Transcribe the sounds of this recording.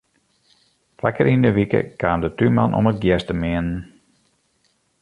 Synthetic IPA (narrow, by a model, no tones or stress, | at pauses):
fakəɾʔindəʋikə̰kʰaːndətymanʔɔ̰mət̚ɡjɛstəmɪənən